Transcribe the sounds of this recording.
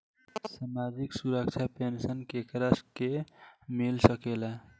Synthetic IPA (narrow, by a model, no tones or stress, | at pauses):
samad͡ʒiksuɾəkt͡ʃʰapensənkekɾəskemilsəkela